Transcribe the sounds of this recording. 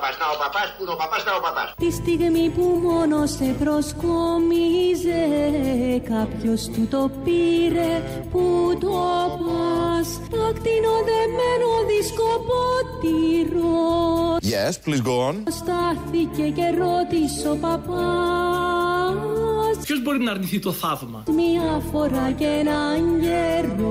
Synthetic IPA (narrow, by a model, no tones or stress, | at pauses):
pɐznɐopapɐsunopɐpɐznɐopɐpɐt̪ist̪iɣmipumonosepɾoskomize | kɐpçost̪ut̪o̞piɾe | put̪opɐs | t̪ɐkt̪inoðemenoðiskopot̪iɾojɛsplizɡonst̪ɐθice̞ce̞ɾot̪iso̞pɐpɐ | sçozbo̞ɾinɐːɾniθit̪o̞θɐvmɐ̰miɐfo̞ɾɐcenɐɲɟeɾo